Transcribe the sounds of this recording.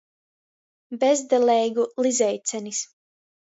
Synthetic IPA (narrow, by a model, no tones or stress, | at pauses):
bɛzd̪ɛlɛjɡulˠizɛjt̪sʲɛnis